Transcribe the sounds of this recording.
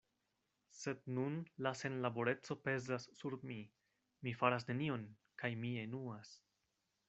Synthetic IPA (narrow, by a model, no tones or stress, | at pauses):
se̞d̪nunlase̞nlabo̞ɾe̞t͡so̞pe̞zasːuɾmi | mifaɾas̬ne̞nio̞n | kajmie̞nuas